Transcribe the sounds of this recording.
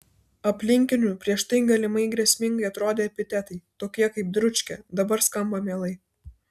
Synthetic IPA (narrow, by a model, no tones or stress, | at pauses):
ɐpʲlʲɪŋʲkʲɪnʲuːpʲɾʲiɛʃt̪ɐɪɡɐlʲɪmɐɪɡɾʲiɛsʲmʲɪŋɡɐɪɐt̪ɾoːd̪ʲeːɐpʲɪt̪ʲɛt̪ɐɪt̪oːkʲiɛkɐɪp̚d̪ɾʊt͡ʃʲkʲɛd̪ɐbɐɾskɐmbɐmʲeːlˠɐɪ